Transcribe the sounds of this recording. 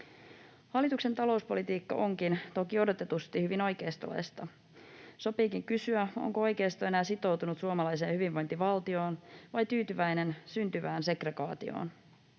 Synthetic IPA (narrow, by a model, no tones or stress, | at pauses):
hɑlːˑit̪ukse̞nt̪ɑlo̞uspolit̪iːkːɑ̰ʔo̞ŋkint̪o̞kio̞do̞t̪e̞t̪ust̪ihyʋino̞jke̞ːst̪o̰lḛst̪ɑ | sopiːkiŋkysyæo̞̰ŋkoo̞jke̞ːst̪oe̞næːsit̪o̞wt̪unut̪suomɑlɑjse̞ːnhyʋiʋʋo̞jnt̪iʋɑlt̪io̞ːnʋɑjt̪yːt̪yʋæjne̞nsynt̪yʋæːnse̞kreɡɑːt̪ḭo̰ːn